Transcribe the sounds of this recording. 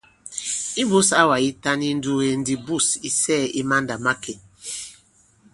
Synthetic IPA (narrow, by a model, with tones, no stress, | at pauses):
i˦bu˦sa˦wa˨i˦ta˦ni˦n̩˦du˦he˦n̩˦di˦bu˦˨si˦sɛː˦˨i˦ma˦n˦da˨ma˦kʰe˨